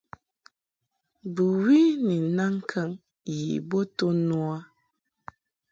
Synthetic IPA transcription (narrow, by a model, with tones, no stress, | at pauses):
bu˨wi˦ni˨na˦ŋ̩˦kʰə˦ŋ | jḭ˨bo˦to˦nwa˦